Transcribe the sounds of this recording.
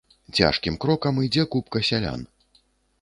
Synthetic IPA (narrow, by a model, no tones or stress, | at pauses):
t͡sʲa̰ʂkʲimkɾɔkɐmɨd͡zʲɛkupkɐsʲalʲa̰n